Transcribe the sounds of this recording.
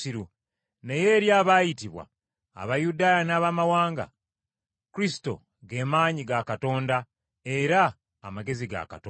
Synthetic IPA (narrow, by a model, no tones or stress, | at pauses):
iɾu | ne̞je̞ːɾjaːβajitiβwa̰ː | βajudaːjanaːβamawaːŋɡa̰ | kuɾisi̥to̞̰ | ɡe̞maːɲiɡakato̞ːnda | e̞ɾaː | maɡe̞ziɡa̰ka̰toː